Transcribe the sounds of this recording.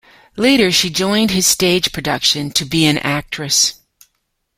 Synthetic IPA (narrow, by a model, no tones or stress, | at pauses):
leɪɾə˞ʃid͡ʒɔ̃ɪ̃nd̚ɨz̥steɪdd͡ʒʒ̥pʰɹ̥ɨdʌkʃɨ̃ntʰɨbiɨ̃nʔæk̚tɹ̥ɨs